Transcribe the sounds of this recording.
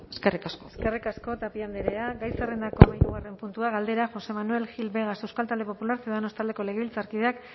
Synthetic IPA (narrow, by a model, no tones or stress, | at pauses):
eskerikaskoeskerikasko̞t̪apiand̪eɾeaɡajserend̪ako̞majnuɣare̞mpunt̪uaɣald̪e̞ɾaʝo̞se̞manue̞lxilβe̞ɣasewskalt̪ald̪epo̞pulaɾsieðanost̪ald̪e̞ko̞le̞ɣ̞eβilt͡saɾkið̞e̞ak